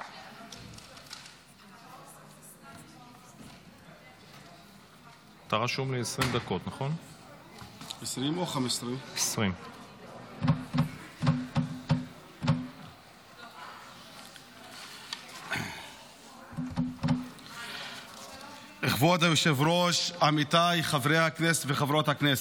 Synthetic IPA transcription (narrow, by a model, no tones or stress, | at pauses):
t̪aʁaʃumleesʁimd̪ako̞t̪naχo̞n | esʁimoχamesʁimesʁim | eχvod̪ajoʃevʁoʃamit̪ajχavʁejhakneset̪veχavɾo̞t̪haknese